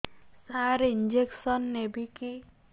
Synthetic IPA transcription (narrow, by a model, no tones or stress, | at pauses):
saɾind͡ʒeksɔnːebiki